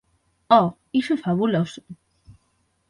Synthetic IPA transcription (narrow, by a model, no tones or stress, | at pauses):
ɔ | iʃufaβulosu̥